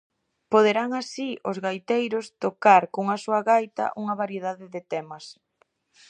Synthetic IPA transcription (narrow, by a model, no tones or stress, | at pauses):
poð̞eɾaŋasiʔozɣajt̪ejɾʊst̪okaɾkoŋɐsuɐɣajt̪ɐ̰ʔuŋɐβaɾjeðaðɪðet̪ɛmɐs